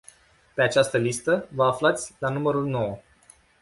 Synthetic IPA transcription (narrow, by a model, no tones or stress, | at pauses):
pe̞at͡ʃast̪əlist̪əvəaflat̪sʲlanuməɾulno̞wə